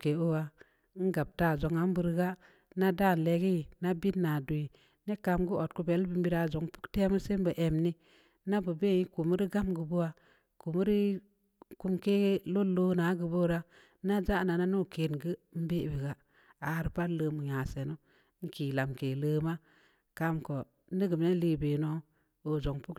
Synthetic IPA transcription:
ke˨o˦wa˨˦ | ŋ̩˦ɡa˨b̚ta˦˨zo˨ŋa˦m˦bu˦˨ɾɡa˦ | na˦da˦˨n˨le˨ɡi˦i˨na˦bi˦nːa˨du˨i˨ | ne˦ka˧mɡu˦o˨t̚ku˦be˨˦lbi˦m˦bi˦ɾa˨zo˨ŋpu̥˦kte˦mu˦se˦m˦bə˨ʔe˨mni˦ | na˦bu˨be˦˨ji˦ku˨mu˦ɾi˦ɡa˦mɡu˨bo˦wa˨ | ku˨m˦ɾi˦ | ku˦mke˦lo˦lo˦na˨˦ɡɨ˨bo˦ɾa˦ | na˦d͡ʒa˦˨na˨na˦no˦˨ke˨nɡɨ˦m̩˦be˦ʔbi˨ɡa˨ | a˨ɾpa˦ləː˦˨mu˨jã˨se˨no˦ | ŋ̩˦ki˨la˨mke˨ləː˦ma˦ | ka˦mko˨˦ | ni˦ɡɨ˨mne˦li˦be˨no˦ | o˨zo˨ŋpu˦k

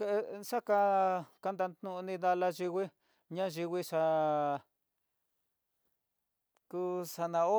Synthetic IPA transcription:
ʂa˦ka˧ka˧nd̪a˧nt̪nũ˦ʔnĩ˧ða˦˧la˧ʒi˧wʷi˦ | ɲã˦ʒi˧wʷi˦ʂa˧ | ku˦sa˧nã˧o˦

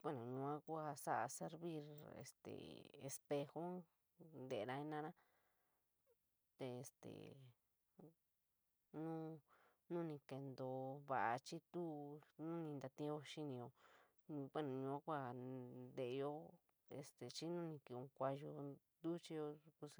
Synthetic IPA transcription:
kʷe˦nõ˨ɲũ˧ã˦kʷa˦˧sa˦ʔa̰˧se˧˦ɾβi˦˧ɾḛ˨st̪ḛ˨ḛ˧spe˧xo˦ | nd̪e˨˧nã˧i˧nã˦nã˦ | t̪e˨e˨st̪ḛ˨ | nũ˦ | nũ˦nĩ˧ke˧nd̪o˧˨βa˨ʔa˧t͡ʃi˦t̪u˦nũ˦nĩ˧nd̪a˧t̪ĩ˦jo˧ʃi˦nĩ˧jõ˧ | kʷe˦nũ˨ɲũ˧ã˦kʷa˦˧d̪e˧ʔjo˦ | e˧st̪e˨t͡ʃi˦nũ˦nĩ˧ki˧õ˧kʷa˧jo˧ | d̪u˦t͡ʃi˦jo˧ku˧s

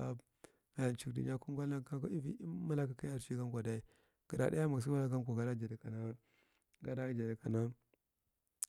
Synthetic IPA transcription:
a˨˦ | ɡa˨ja˨nt͡ʃi˨kdḭ˨ɲ˦a˦ku˦ɡʷa˦a˦ka˦ka˦i˦vḭ˦ma˦la˦ka˦ki˦ja˨ɾʃi˦ɡa˦kʷa˨da˨i˨ | ɡ̥ə˨ɾa˨da˦ja˦ma˨ɡs̬u˦wa˦la˦ɡa˦ŋkʷa˨ɡa˨˦da˦d͡ʒa˨da˨ka˨na˦ | ɡa˨˦da˦d͡ʒa˨da˨ka˨na˦

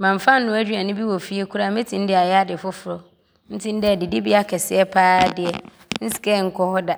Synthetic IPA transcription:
mã˨m˨fã˦n̩ː˦ʊ̃˦æ˦d͡ʑᶣi˦a˨nɪ̃˦bi˦wɔ˨fi˦e˦kʰu˦ɾa˦mẽ˦tʰĩ˨n̩˦dɪ˦a˨jɛ˦a˦dɪ˨fʊ˦fʊ˨ɾɔ˨ | n̩˦tʰĩ˦n̩˦dɛ˦˨dɪ˨dɪ˦bi˦a˦kʰɛ˨sɪ˦ɛ˦pʰaː˦dɪ˨ɛ˨ | n̩˦si̥˨kɛ˦˨ŋ̩˦kʰɔ˦hɔ˦da˨

